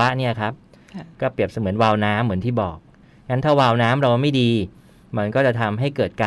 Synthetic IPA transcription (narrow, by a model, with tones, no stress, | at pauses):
a˦˥ʔni˥˩kʰɾa˦˥p̚kɔː˥˩pɾi˨˩əp̚sa˧mɯ˩˦ənwaː˧wnaː˦˥mːɯ˩˦ənt̪iː˥˩bɔː˨˩k̚ | ŋa˦˥nt̪ʰaː˥˩waː˧wnaː˦˥mɾa˧wma˥˩jdiː˧ | ma˦˧nkɔː˥˩t͡ɕa˨˩t̪ʰa˧mɦa˥˩jkɤː˨˩t̪̚kaː˧